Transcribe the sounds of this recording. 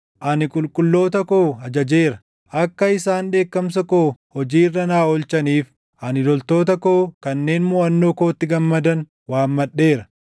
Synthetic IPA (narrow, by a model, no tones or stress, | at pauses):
ʔɐnɪkʼʊlkʼʊlːo̞ːt̪ɐko̞ːɐd͡ʒɐd͡ʒe̞ːɾɐ | ʔɐkːɐɪsaːnᶑe̞ːkːɐms̬ɐkoːhɔd͡ʒiːrːɐnaːɔlt͡ʃɐniːf | ʔɐnɪlɔlt̪o̞ːt̪ɐkoːkɐnːe̞ːnmʊɐnːo̞ːko̞ːt̪ːɪɡɐmːɐd̪ɐn | waːmːɐᶑːe̞ːɾɐ